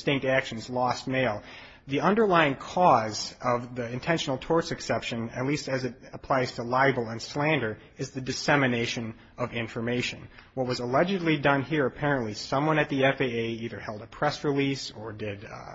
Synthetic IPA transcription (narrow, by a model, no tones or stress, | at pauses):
stɪ̃ŋk̚tækʃn̩zlɔst̚meɪlˠ | ðiʌ̃ndə˞laɪɪ̃ŋkʰɔzʌvðiɨ̃ntʰɛ̃nʃn̩l̩ˠtʰɔɹtsɨksɛpʃɨ̃nɨ̰tˡlistɨzɨɾəpʰl̥aɪz̥tʰəlaɪbl̩ˠə̃nslæ̃ndə˞ | ɨzðɨdɨsɛmɨneɪʃɨ̃n | ʌvɪ̃ɱfə˞meɪʃɨ̃nwʌt̚wʌzəlɛd͡ʒɨdˡlidʌ̃nhiɹɨpʰɛɹɨ̃nʔlisʌ̃mwʌ̃ñɨt̪̚ðiɛfeɪeɪiðə˞hɛlˠdəpʰɹ̥ɛsɹilisə˞dɪd